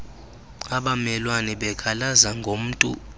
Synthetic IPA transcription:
aɓamɛlwanɛɓɛkʰalazaŋɡʱom̩ːtʼṵ

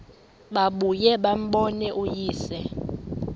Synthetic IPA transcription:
ɓaɓujɛɓam̩ɓɔnɛʔujiːsɛ

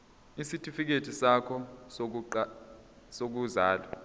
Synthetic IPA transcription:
isitʼifik̬etʰisakʰɔs̬ | sok̬uzaːlwa

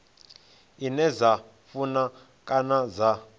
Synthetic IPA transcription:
inɛza | funa | kʼanaza

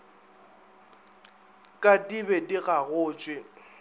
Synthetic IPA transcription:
kʼadibɛdiɣaɣʊːt͡ʃʼwɪ

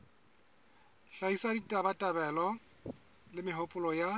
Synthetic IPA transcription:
ɬaisaditʼabatʼabɛlɔ | lɪmɪɦʊpʼʊlɔja

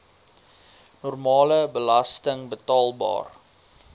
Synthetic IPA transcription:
nɔrmɑːləbəlɐstəŋbətɑːlˠbɑ̰ːr

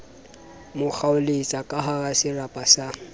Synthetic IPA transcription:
mʊk͡xʰaʊlet͡sʼakʼaɦaɣasɪrapʼasa

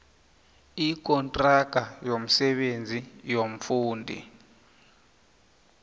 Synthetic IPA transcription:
ik̬ʼɔntʼraɡ̥̬ʱajom̩sɛɓend͡zʱijom̩fuːndʱḭ

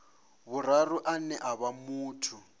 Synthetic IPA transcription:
βuɾ̤aruʔanɛʔaβamuːtʰu

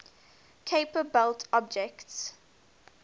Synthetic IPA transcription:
kʰeɪpəbɛltʰɔb̚d͡ʒɛkts

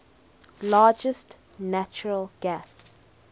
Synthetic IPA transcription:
lɑːd͡ʒəst | næt͡ʃəɹəlˠɡ̥æs

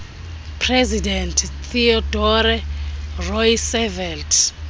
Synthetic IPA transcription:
pʰrɛzidɛntʰt̪ʰiɔdɔɾɛrɔjsɛvɛltʰ

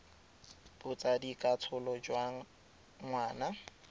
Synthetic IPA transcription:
bʊt͡sadikʼat͡sʰʊlɔd͡ʒwa | ŋwaːna

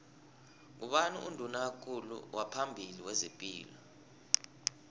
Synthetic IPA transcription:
ŋ̬uɓanuundʱunak̬akʰulṵwʔapʰambʱiliwɛzipʼiːlɔ

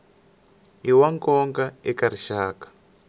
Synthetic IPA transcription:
iwaŋkɔŋɡaekaɾiʃaːkḁ

